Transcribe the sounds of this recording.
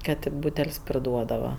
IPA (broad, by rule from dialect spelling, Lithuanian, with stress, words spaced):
ˈkɐt tʲeː ˈbuːtʲɛlʲsʲ pʲrʲɪˈduɔdɐʋɐ